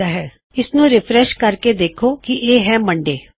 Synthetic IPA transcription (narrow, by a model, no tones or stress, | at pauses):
aːɦɛː | ɪsnũːɾɪpʰɾɛʃkəɾked̪eːkʰoːkiʔeːɦɛːməɳɖeː